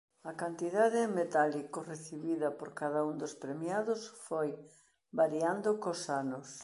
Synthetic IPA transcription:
ɐkant̪iðaðɪmet̪alikoreθiβiðɐpoɾkaðɐuŋd̪ospɾemjaðʊsfoj | baɾjand̪okosanʊs

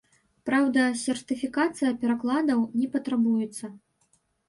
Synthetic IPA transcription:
pɾawd̪ɐsʲɛrt̪ɨfʲikat̪sɨjɐpʲɛɾaklˠad̪ɐwnʲɛpɐt̪ɾabujɛt̪sːɐ

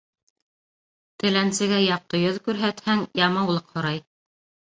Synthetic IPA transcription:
t̪ɘ̆lænsɘ̆ɡæjɑq̚t̪ɤjɵðkʉɾɦæt̪hæŋjɑmɑwlˠɤqhŏɾɑj

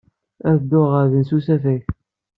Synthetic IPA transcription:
æðd̪ːoʁəɾðənsusæfæç

